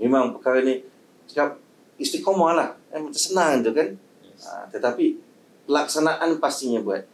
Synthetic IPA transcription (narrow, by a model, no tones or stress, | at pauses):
memaŋpəkaɾani | sə̥kap̚ | ist̪ikɔmalahamat͡ʃasənaŋint̪ukan | ə̰t̪ət̪api | pəlak̚sanaʔanpast̪ɪŋjabua̰t̪̚